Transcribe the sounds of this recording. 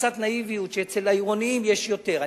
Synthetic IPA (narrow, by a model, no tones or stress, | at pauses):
t͡sat̪naivijut̪ʃeet͡selaiʁoniimjeʃjo̞t̪eʁa